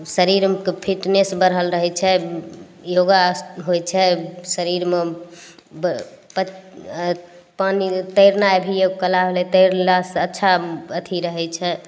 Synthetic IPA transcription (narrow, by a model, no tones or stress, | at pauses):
səɾiɾkpʰiʈnesbəɾɦəlɾəɦɛt͡ʃʰɛ | joɡaɦojt͡ʃʰɛsəɾiɾme | b | pə | panit̪əjɾnajbʱijokəlaɦolɛt̪əɾlasətːʃʰaət̪ʰiɾəɦɛt͡ʃʰɛ